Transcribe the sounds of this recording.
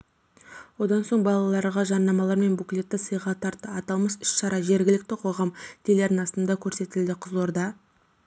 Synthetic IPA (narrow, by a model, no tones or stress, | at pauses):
wo̞d̪ɑnso̞ɴbɑlˠɑlˠɑɾʁɑʒɑnːɑmɑlˠɑɾme̞nbukʲle̞t̪ːɪsəjʁɑt̪ʰɑɾt̪ːəɑt̪ɑlˠməsʏʃʃɑɾɑʒe̞ɾɡʲɪlɪk̚t̪ɪqʰo̞ʁɑmt̪ʰeleɾnɪnɑst̪ənd̪ɑkʲʰɵɾse̞t̪ɪld̪ɪqʰəzoɾd̪ɑ